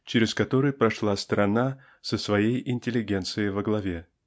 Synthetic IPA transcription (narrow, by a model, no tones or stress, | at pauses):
t͡ɕɪɾʲɪskɐt̪o̞ɾɨjpɾɐʂlˠast̪ɾɐna | səsvɐjejɪnʲtʲɪlʲːɪɡʲent̪sɨjɪvəɡlˠɐvʲe̞